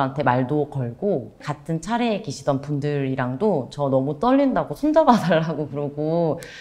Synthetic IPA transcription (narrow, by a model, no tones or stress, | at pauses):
ɦantʰe̞maɭdokʌɭɡokatʰɯnt͡ɕʰaɾeːkeɕʰidʌnpundɯɾiɾaŋdot͡ɕʌnʌmut͈ʌʎːindaɡosʰond͡ʑabadaɭːaɡokɯɾʌɡo